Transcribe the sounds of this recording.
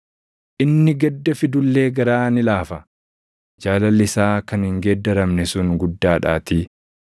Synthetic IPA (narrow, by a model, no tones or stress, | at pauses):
ʔɪnːɪɡɛd̪ːɐfɪd̪ʊlːe̞ːɡɐɾaːnɪlaːfɐ | d͡ʒaːlɐlːɪsaːkɐnhɪŋɡed̪ːɐɾɐmnɛsʊŋɡʊd̪ːaːᶑa̰ːt̪iː